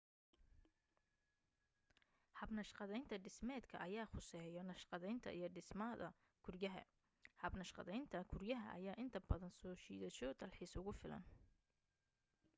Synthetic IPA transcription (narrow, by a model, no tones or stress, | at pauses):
hɐbnɐʃqɑðɛjnt̪ʰɐɖɪsmɛːd̪kʰɐʔɐjaːχʊsɛːjɔnɐʃqɑðɛjnt̪ʰɐ̰ʔijɞɖɪsmɐðɐ̰ | kʰʊrjɐɦɐ̰ | hɐbnɐʃqɑ̰ðɛjnt̪ʰɐkʰʊrjɐɦɐ̰ʔɐ̰jaːʔɪnt̪ʰɐbɐðɐnsɔːʃiːðɐʃɔd̪ɐlħiːsʊɣʊfɪlɐ̰n